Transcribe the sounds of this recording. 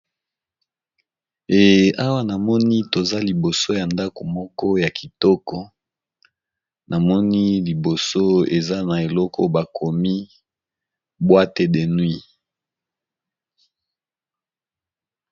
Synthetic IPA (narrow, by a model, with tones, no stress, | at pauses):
e˨a˦wa˦na˨mɔ˦ni˦to˨za˦li˨bo˨so˦ja˨nda˦ko˨mɔ˦kɔ˦ja˨ki˨tɔ˦kɔ˦ | nʔa˨mɔ˦ni˦li˨bo˨so˦e˨za˦na˨e˨lɔ˦kɔ̰˦ba˨kʰo˨mi˦ | bwa˦te˨de˨nwi˦